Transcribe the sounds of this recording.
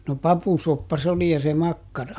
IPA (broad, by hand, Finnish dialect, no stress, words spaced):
no pɑpusopːɑ s oli jɑ se mɑkːɑrɑ